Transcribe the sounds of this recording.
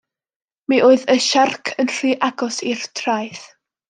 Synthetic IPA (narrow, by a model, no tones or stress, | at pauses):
miʔoɨðəʃarkʰənr̥iːʔaɡɔsirtʰrajθ